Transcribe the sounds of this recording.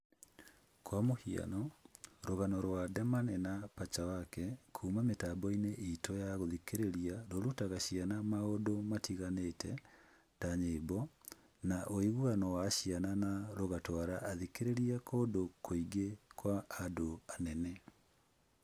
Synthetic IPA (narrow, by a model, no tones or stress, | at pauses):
kwamohia̰nɔɾoɣanɔɾwadɛmanɛnapat͡ʃawakɛkʰuːmametabɔineʔitɔjaɣoðikeɾeɾiaɾoɾutaɣaɕianamaodomatiɣanetʰɛ | taɲeːbɔ | naʔoiɣwanɔwaɕiananaɾoɣatɔaɾaʔaðikeɾeɾiakʰoːdokʰoiɡekwaːdoanɛnɛ